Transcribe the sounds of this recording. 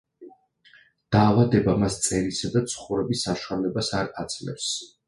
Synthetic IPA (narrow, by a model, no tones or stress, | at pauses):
d̪̥aːvad̪ɛbamast̪sʼɛɾisad̪at̪sʰχuɾɛbisːaʃwalɛbasaɾat̪sʰʼlɛ̰fs